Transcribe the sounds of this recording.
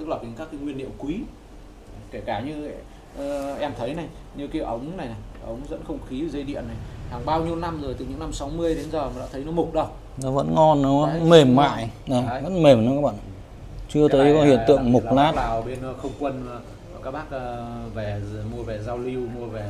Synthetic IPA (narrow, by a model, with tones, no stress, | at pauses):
t̪ɨ˦˥k̚laː˨˩ki˨˦ŋkaː˦˥kːa˨˦ŋwi˧ənːḭ˧˨əwkwi˨˦˨ | ke˧˩kaː˧˩ɲɨ̰˧ | ʔɛ˧mt̪ʰə˨˦jna˨˩j | ɲɨ˧ki˧˦wʔə˨˦wŋ͡mna˨˩jna˨˩jʔə˨˦wŋ͡mzə̰˧˥nxə˧wŋ͡mxi˨˦˨zə˧jɗḭ˧˨ənːa˨˩jhaː˨˩ŋɓaː˧wɲi˧əwna˧mzo˨˩jt̪ɨ˨˩ɲɨ̰˧˥na˧msa˨˦wmɨ˧əjɗe˨˦nzəː˨˩maː˨˩ɗa̰ː˧˥t̪ʰə˨˦jnɔ˨˦m˨˩k͡p̚ɗə˧w | nɔ˨˦və̰˧˥nŋɔ˧nːɔ˨˦və̰˧˥nme˨˩mːa̰ː˧˨jna˨˩və̰˧˥nme˨˩m˨˧˦kaː˦˥k̚ɓa̰ː˧˨n | t͡ɕɨ˧ət̪əː˨˦jkɔ˨˦hḭ˧˨ənt̪ɨ̰˧˨əŋmʊ˨˩k͡p̚laː˦˥taː˨˩wɓe˧n˨˧xə˧wŋ͡mkwə˧nː˨˩˨ | kaː˦˥k̚ɓaː˦˥k̚ːvɛ˨˩mu˧əvɛ˨˩zaː˧wli˧wmu˧əvɛ˨˩